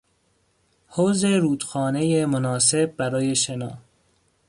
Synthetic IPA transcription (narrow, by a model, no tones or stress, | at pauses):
hoːzeɾuːd̪xɒːne̞jemonɒːse̞b̚ːæɾɒːje̞ʃenɒ̰ː